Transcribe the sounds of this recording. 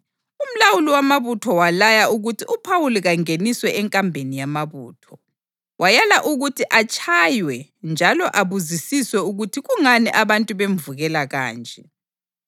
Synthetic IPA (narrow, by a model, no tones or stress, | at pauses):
um̩lawuliwamaβutʰɔwalajauɣutʰiupʰawuliɣaŋeniswɛɛŋkʼambʱenijamaβṵːtʰɔ | wʔajalaʔuɣutʰiʔat͡ʃʼʰajwɛnd͡ʒʱalɔʔaβuzisiswɛuɣutʰiɣuŋanḭʔaβantʼuβeɱvuɣɛlaɣa̰ːnd͡ʒʱʼɛ